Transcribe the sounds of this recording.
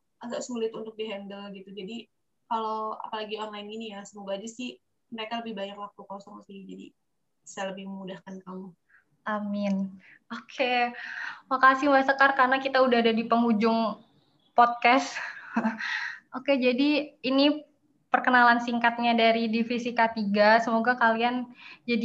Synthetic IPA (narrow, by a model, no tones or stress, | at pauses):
aɡaʔsulɪt̪unt̪ʊk̚diɦɛndəlɡit̪ud͡ʒadi | kaloa̰palaɡiɔnlajninijasəmuɡad͡ʒasɪh | məɾekaləbɪhbajarlak̚ukɔlosaŋmast̪id͡ʒadḭ | sajaləbɪhməmudahkankamu | ʔamɪn | okʰe | makasɪmasəkarkarənakit̪audaɦadadipəŋud͡ʒʊŋ | pɔt̪̚kɛs | ʔoked͡ʒadiini | pərkənalansiŋkat̪̚ɲadaɾidifisikat̪iɡasəmoɡakaliand͡ʒadi